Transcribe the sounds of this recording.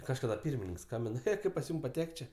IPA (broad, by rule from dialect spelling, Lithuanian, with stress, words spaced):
ˈkɑːʃkɐdɐ ˈpʲiːrʲmʲɪnʲɪŋk ˈskɐmʲbʲɪn ˈxʲeː ˈkɐɪp pɐs ˈjuːm pɐˈtʲɛkʲtʲ ˈt͡ʃʲeː